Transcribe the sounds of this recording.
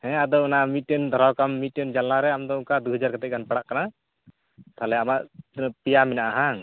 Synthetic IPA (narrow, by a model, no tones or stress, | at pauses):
hɛ̃ad̪ɔunamit̪̚ːɛnd̪ʱɔɾawkamːit̪̚tɛnd͡ʒalnaɾɛamd̪ɔkad̪uɦɛd͡ʒaɾkat̪ɛc̚ɡanpaɽaʔkana | t̪ʰalɛamaʔpijamɛnaʔaɦaŋ